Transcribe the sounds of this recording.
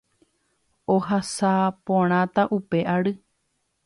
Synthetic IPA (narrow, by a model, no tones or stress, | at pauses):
oɦasapõɾ̃ãt̪aʔupe̞ʔaɾɨ